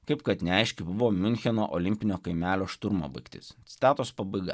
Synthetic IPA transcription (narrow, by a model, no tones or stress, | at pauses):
kɐɪpkɐt̪nʲɛɛɪʃʲkʲɪbʊʋoːmʲʊnʲxʲɛno̰ːʔɔlʲɪmʲpʲɪnʲoːkɐɪmʲæːlʲoːʃt̪ʊɾmo̰ːbɐɪkʲt̪ʲɪ̰st̪sʲɪ̥t̪ʲæːt̪ospɐbɐɪɡɐ̰